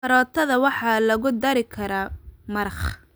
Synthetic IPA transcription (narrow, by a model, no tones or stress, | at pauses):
ɐɾɔːt̪ʰɐðɐwɑħɑːlɐɣʊd̪ɐɾɪkʰɐɾaːmɐɾɑχ